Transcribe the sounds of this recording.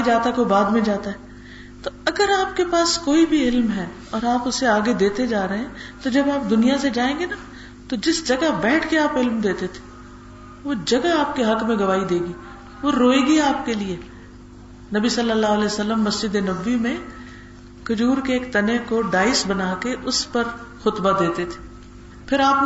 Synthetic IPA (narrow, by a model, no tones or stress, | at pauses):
id͡ʒaːt̪akobaːd̪mẽd͡ʒaːt̪aɦɛ | t̪oɐɡəɾaːp̚kepaːskoːibʱiɪlmɦɛ | ɔːɾaːpʊseaːɡed̪eːt̪ed͡ʒaːɾɐɦeɛ̃t̪od͡ʒɐbaːp̚d̪ʊnijased͡ʒaːẽːŋɡena | t̪od͡ʒɪsd͡ʒɐɡabɛːʈʰkeaːpɪlmd̪eːt̪et̪ʰe̥ | ʋod͡ʒɐɡaaːp̚keɦɐkmẽɡɐʋaːid̪eːɡiː | ʋoɾoːeːɡiaːp̚kelie | nɐbisɐlːəlːaːɦʊəlɛːjsəlːəmːɐsd͡ʒɪd̪enɐbːimẽ | kʊd͡ʒuːɾkeːkt̪ɐnekoɖaːɪsbɐnaːkeʔʊspɐɾxʊt̪bad̪eːt̪et̪ʰe̥ | pʰɪɾaːp